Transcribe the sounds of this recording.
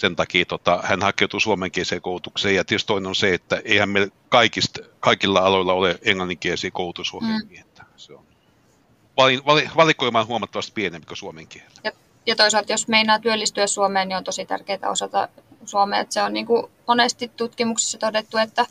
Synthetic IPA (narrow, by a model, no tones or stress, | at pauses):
sent̪ɑkiːt̪ot̪ɑhænhɑkeˑut̪usuomeŋkieseːkoˑut̪ukseːjjɑt̪iøst̪oˑinenonseet̪ːæʔeˑihæmmeilkɑikist̪kɑikilːɑɑloilːɑoleeŋlɑnːiŋkiesiːkoˑut̪usuoemiehet̪ːæ̥seon | ʋɑlinʋɑliʋɑlikoimɑːnhuomɑt̪ːɑʋɑst̪pienempi̥kosuomeŋkiehel̥ːæ̥jɑ | jɑt̪oisɑlt̪josmeinɑːt̪yølːist̪yæssuomeːniont̪osit̪æ̰rkeit̪æ̰o̰sɑt̪ɑ̰suomḛːḛt̪seonniːŋkumonest̪it̪t̪ut̪kimukse̥sːɑt̪odet̪ːuet̪ːæ